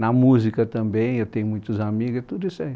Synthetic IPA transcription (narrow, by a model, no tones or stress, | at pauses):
namuzikət̪ambeat̪eɲmit̪uzamikat̪uɾesaj